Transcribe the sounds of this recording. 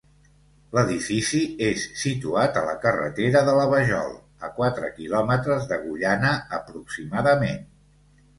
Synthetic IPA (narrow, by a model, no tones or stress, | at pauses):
ləðifisiesːit̪uat̪ələkərə̰t̪eɾəðələβəʒɔ̰lˠ | əkwat̪ɾə̰kilɔmət̪ɾəzðəɣuʎanəəpɾuksimaðəmen